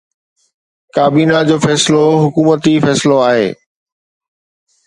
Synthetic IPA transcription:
kaːbiːnad͡ʑoːfɛːsɪloɦʊkuːmət̪ifɛːsɪloaːɦḛː

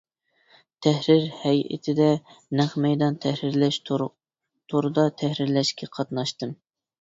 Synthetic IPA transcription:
t̪ʰɛhɾɪɾhɛjʔɪ̰t̪ʰɪd̪ɛnæχmɛjd̪ɑnt̪ʰɛhɾɪɾlɛʃ | t̪ʰoɾɨd̪ɑt̪ʰɛhɾɪɾlɛʃkʲɛqʰɑt̪nɑʃt̪ɨm

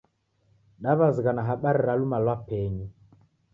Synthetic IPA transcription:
ɗaβaziɣanaɦaɓaɾiɾalumalwapɛɲu

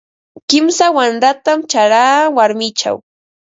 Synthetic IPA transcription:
kɪmsawanɾat̪amt͡ʃaɾaːwaɾmɪt͡ʃa̰w

